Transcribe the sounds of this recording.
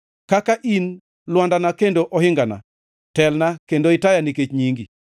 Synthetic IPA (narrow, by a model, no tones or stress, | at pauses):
kakaʔin | lwandanakendoʔɔhɪŋɡana̰ | tɛlnakendoɪtajaniket͡ʃɲiŋɡi